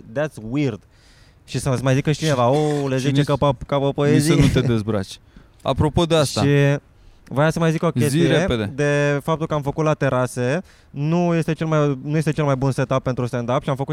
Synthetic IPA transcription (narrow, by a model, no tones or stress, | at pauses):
d̪æt̪swird̪ | ʃisəsmajzikəʃi̥t͡ʃinevaolezit͡ʃekpkapopoezinnut̪ed̪ezbɾa̰t͡ʃʲ | a̰pɾo̞po̞d̪eastʃai | vojasəmajziko̞ke̞sziɾeeped̪ed̪e̞fap̚t̪ulkəamfəkut̪lat̪e̞ɾʔase̞ | nuje̞st̪e̞t͡ʃe̞lmajnujest̪et͡ʃe̞lmajbunse̞t̪apːe̞nt̪ɾust̪end̪apʃiamfəku